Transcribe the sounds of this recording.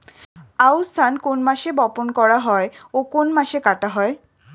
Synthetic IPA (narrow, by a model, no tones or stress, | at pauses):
awst̪ʰankonmaʃebɔponkɔɽaɦɔeokonmaʃekaʈaɦɔe